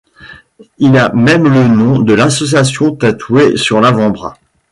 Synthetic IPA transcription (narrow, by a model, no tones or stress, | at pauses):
ilamɛmlənɔ̃d̪əlasɔs̬jasjɔ̃t̪at̪ʰwesyʁlavɑ̃bʁa̰